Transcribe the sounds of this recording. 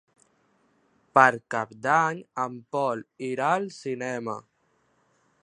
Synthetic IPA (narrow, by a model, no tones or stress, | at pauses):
pəɾkap̚d̪aɲəmpɔliɾaəlsinɛmə